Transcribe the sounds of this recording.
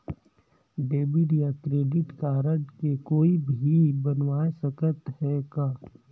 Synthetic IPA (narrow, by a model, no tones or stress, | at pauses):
ɖeːbiɖijakɾeːɖɪʈkaːɾəɖkekoːibʱibənʋaːesəkət̪ɦɛɡaː